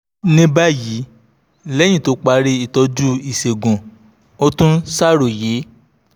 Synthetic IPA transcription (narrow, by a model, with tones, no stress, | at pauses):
nĩ˦ba˦ji˨˦ | lɛ˦j̃ĩ˦˨to˨˦k͡pa˧ɾe˧i˨tɔ˧d͡ʒu˦i˨se˨ɡũ˨ | o˦tũ˦sa˦ɾo˨je˨˦